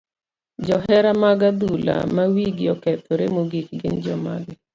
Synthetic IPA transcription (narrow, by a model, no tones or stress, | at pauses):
d͡ʒɔɦɛɾamaɡad̪ula̰mawiɡɪɔkɛt̪ʰoɾemoɡikɡɪnd͡ʒɔma̰ɡɛ